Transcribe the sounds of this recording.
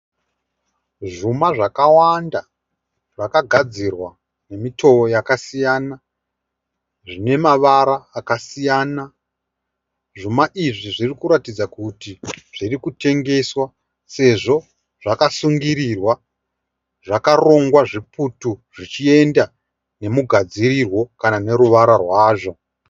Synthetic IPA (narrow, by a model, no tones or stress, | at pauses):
ʐumaʐakawanda | ʐakaɡʱad͡zirwa | ne̞mitʰo̞ojakasijaːna | ʐine̞maʋaɾaːkasijaːna | ʐumaʔiʐiʐirikuɾatid͡zakutiʐ̥irikute̞ŋɡe̞swa | se̞ʐo̞ | ʐakasuŋɡiɾirwa | ʐakaro̞ŋɡwaʐiputuʐit͡ʃie̞nda | ne̞muɡʱad͡zirirwo̞kanane̞ɾuʋaɾarwaːʐo̞